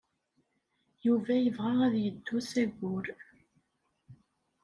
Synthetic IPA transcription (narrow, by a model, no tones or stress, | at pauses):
juvæjəvʁɑʁæðjəd̪ːusæɡʊɾ